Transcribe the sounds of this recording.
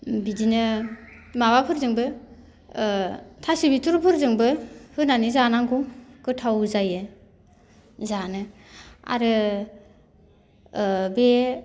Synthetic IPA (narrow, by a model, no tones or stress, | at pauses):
bidinɯ | maβapʰɯɾzɯŋbɯ | tʰasibitʰuɾpʰɯɾzɯŋbɯhɯnanizanaŋɡuŋkɯtʰawzajɯ | zanɯa̰ɾɯ | be